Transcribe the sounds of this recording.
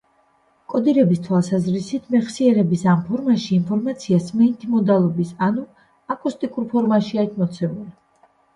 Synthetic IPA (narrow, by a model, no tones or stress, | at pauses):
kʼɔd̪iɾɛbist̪ʰwalˠsazɾisit̪ʰmɛχsiɛɾɛbisampʰɔɾmaʃiːnpʰɔɾmat̪sʰiasmɛnt̪ʼʰimɔd̪alˠɔbisanu | akʼust̪ʼikʼuɾpʰɔɾmaʃiait̪ʰmɔt̪sʰɛmuli